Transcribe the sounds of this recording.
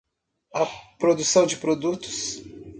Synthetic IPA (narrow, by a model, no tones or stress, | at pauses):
ɐpɾod̪usɐ̃w̃d͡ʒɪpɾod̪ut̪ʊ̥s